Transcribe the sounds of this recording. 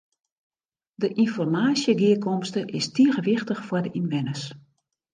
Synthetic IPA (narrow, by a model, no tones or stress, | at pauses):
dəʔinfɔrmaːsjəɡiəkʰɔmstəʔɪstiəɣəʋɪxtəxfwɔrdəʔinʋɛnəs